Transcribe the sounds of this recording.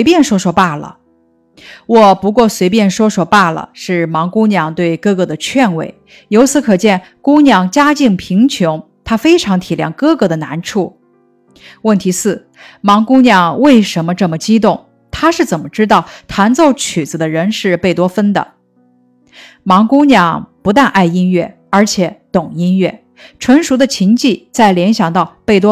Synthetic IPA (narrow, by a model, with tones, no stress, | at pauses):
we˥ɪpjɛ˥˩nʂwɔ˥ʂwɔ˥pa˥˩lə̰˩ | wɔ˨˩pu˧˥kwɔ˥˩swe˧˥ɪpjɛ˥˩nʂwɔ˥ʂwɔ˥˩pa˥˩lə̰˩ʂɻ̩˥˩mɑ˧˥ŋku˥ŋnjɑ˥˩ŋt̪we˥˧ɪkɤ˥˧kɤ˥˩d̪ə˩t͡ɕʰɥɛ˥˧nwḛ˥˩ɪ | jo˧˥ʊt͡sʰɹ̩˧˥kʰɤ˨˩t͡ɕjɛ˥˩n | kʊ˥njɑ˥˩ŋt͡ɕja˥t͡ɕi˥˩ŋpʰi˧˥ŋt͡ɕʰjʊ˧˥ŋ | t̪ʰa˥fe˥ɪʈ͡ʂʰɑ˧˥ŋt̪ʰi˨˩ljɑ̰˥˩ŋkɤ˥˧kɤ˧˥d̪ə˧˨na˧˥nʈ͡ʂʰu˥˩ | wə˥˩nt̪ʰi˧˥sɹ̩˥˩ | mɑ˧˥ŋkʊ˥ŋnjɑ˥˧ŋwe˥˩ɪʂə˧˥nmə˧ʈ͡ʂɤ˥˩mə˩t͡ɕi˥t̪ʊ˥˩ŋ | t̪ʰa˥ʂɻ̩˥˩t͡sə˨˩nmə˦ʈ͡ʂɻ̩˥t̪ɑ˥˩ʊt̪ʰa˧˥nt͡so˥˧ʊt͡ɕʰy˨˩t͡sɹ̩˧˩d̪ə˦ɻə˧˥nʂɻ̩˥˧pe˥˩ɪt̪wɔ˥fə˥nd̪ə̰˨ | mɑ˧˥ŋkʊ˥njɑ˥˩ŋpu˧˥t̪a˥˧nʔa˥˩ɪi˥nɥɛ˥˩ | ə˞˧˥t͡ɕʰjɛ˧˥˦t̪ʊ˨˩ŋi˥nɥɛ˥˩ | ʈ͡ʂʰwə˧˥nʂu˧˥d̪ə˧t͡ɕʰi˧˥ŋt͡ɕi˥˧t͡sa˥˩ɪljɛ˧˥nɕjɑ˨˩ŋt̪ɑ˥˩˧ʊpe˥˩ɪt̪wɔ˥